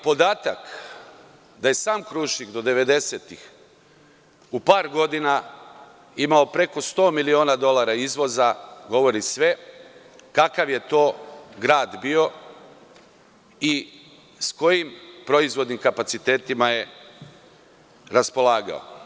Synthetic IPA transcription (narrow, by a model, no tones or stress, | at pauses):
po̞d̪aːt̪ak | d̪aje̞saːmkɾuʃikd̪o̞d̪e̞ʋed̪e̞set̪ix | upaːɾɡo̞d̪ina | imao̞pɾe̞ko̞st̪o̞ːmilio̞ːnad̪o̞lˠaɾaizʋo̞zaɡo̞ʋo̞ɾisʋe̞ | kakaʋje̞t̪o̞ːɡɾaːd̪bio̞ | i | sko̞jimpɾo̞izʋo̞d̪nimkapat̪sit̪e̞ːt̪imaje̞ | ɾaspo̞laːɡa̰o̰